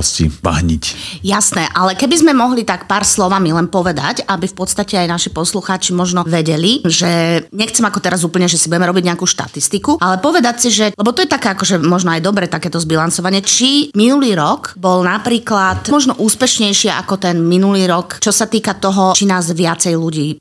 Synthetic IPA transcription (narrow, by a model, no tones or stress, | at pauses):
scḭʋa̰ɦɲicjasnɛːʔalɛkɛbizmɛmɔɦlit̪akpaːɾslɔʋamilɛnpɔʋɛd̪acabifpɔt̪st̪acɛajnaʃipɔsluxaːt͡ʃimɔʒnɔʋɛɟɛliʒɛɲɛxt͡sɛmakɔt̪ɛɾazuːpl̩ɲɛʒɛsibuɟɛmɛɾɔbiɟɲɛakuːʃt̪a̰t̪ist̪ikualɛpɔʋɛd̪acsiʒɛlɛbɔt̪ɔjɛt̪akɛːakɔʒɛmɔʒnɔajd̪ɔbɾɛːt̪akɛːt̪ɔzbilansɔʋaɲɪɛt͡ʃiminuliːɾɔkkbɔlnapɾiːklat̪mɔʒnɔʔuːspɛʃɲɛjʃɪɛa̰kɔt̪ɛnminuliːɾɔkt͡ʃɔsat̪iːkat̪ɔɦɔt͡ʃinaːzʋɪat͡sɛjluɟiː